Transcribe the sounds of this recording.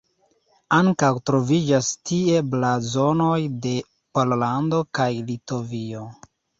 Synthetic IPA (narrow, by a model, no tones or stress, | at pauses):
aŋkawtɾo̞vid͡ʒastie̞blazo̞no̞jde̞ | pollando̞kajlito̞vio̞